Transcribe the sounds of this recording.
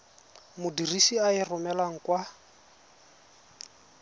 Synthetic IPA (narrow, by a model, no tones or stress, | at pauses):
mʊdirisiaɪrʊmɛlaŋ̩kwa